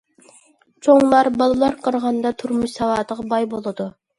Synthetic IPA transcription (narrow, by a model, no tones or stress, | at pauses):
t͡ʃʰoŋlˠɑɾbɑlˠɨlˠɑɾqʰəɾʁɑnd̪ɑt̪ʰuɾmuʃsɛwɑːd̪əʁɑbɑjbolˠɨd̪u